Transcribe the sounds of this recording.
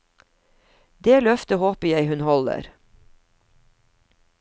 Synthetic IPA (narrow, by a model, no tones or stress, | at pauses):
d̪eːlœft̪əhoːpəjæɪhʉnhɔlə̰ɾ